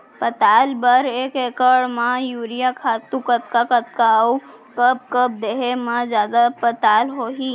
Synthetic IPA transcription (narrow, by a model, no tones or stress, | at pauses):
pət̪aːlbəɾeːkeːkəɽmãjuːɾijakʰaːt̪ũkət̪̚kakət̪̚kau | kəb̚kəb̚d̪eɦemãd͡ʒjaːd̪apət̪aːlɦoɦi